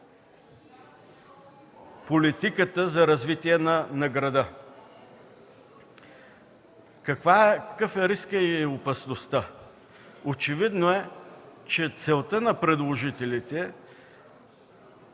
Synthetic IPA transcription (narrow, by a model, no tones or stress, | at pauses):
polit̪ikət̪əzɐɾɐzvit̪iɛnɐnɐɡɾɐd̪ə | kɐkvaɛkəkəfɛɾiskəiopɐsnost̪ə | ot͡ʃɛvid̪noɛt͡ʃɛt̪sɛlˠt̪ənɐpɾɛd̪lˠoʒit̪ɛlit̪ɛ